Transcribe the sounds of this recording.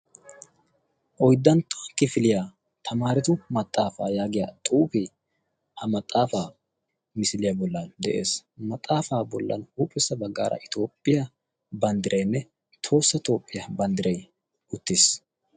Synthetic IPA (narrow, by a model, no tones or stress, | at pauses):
ʔɔjd̪ːɐnt̪ʰːɔ̥kɪfɪlɪja | t̪ʰɐmaːɾɪt̪ʊmɐt̪ʼːaːfaːjaːɡɪja̰ːt̪ʼuːpi | hɐmɐt̪ʼːaːfaː | mɪsɪlɪjɐbɔlːɐnd̪ɛʔe̞̰ːsmɐt̪ʼːaːfaːbɔlːɐ̰nhuːpʼːɪsːɐbɐɡːa̰ːɾʔɐ̰ʔɪt̪o̞ːpʼːɪjɐ | bɐnd̪ɪɾʔɛjnːɛ | t̪ʰo̞ːsːɐt̪o̞ːpʼːɪjɐbɐnd̪ɪɾɐj | ʊt̪ːɪs